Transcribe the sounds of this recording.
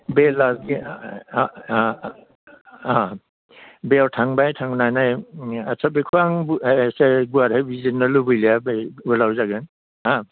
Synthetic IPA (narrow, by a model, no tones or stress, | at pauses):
belaɡi | a | beawtʰaŋbajtʰaŋnajnajasʰabekʰuaŋbseɡuaɾhajbizinːɯlubɯjlijabulawzaɡɯn | a